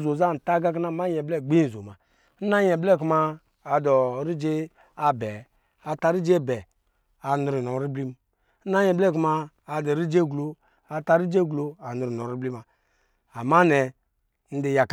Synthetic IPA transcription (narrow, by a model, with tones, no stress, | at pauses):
zo˨za˦˨n̩˨ta˦ɡa˦k̬na˦˨ma˦jɛ˨blɛ˦˨ɡ͡bi˦n̩˨zo˨ma˨ | n̩˦a˦ɲɛ˨blɛ˦˨ku˦maː˧˨ | dɔ˨˦ɾi˦d͡ʒe˦ | a˨bɛ˨ | a˨ta˧ɾi˦d͡ʒe˦˨bɛ˨ | a˨nu˨ɾi˨nɔ˨ɾi˦bli˦m˦ | n̩˦na˦ɲɛ˨blɛ˦˨ku˧˦maː˧˨ | dɔ˨ɾi˦d͡ʒe˦˨ɡlo˨ | a˨ta˧ɾi˦d͡ʒe˦˨ɡlo˨a˨nu˨ɾi˨nɔ˨ɾi˦bli˦ma˨ | a˨ma˦nɛ˨ | n̩˦de˨ja˨k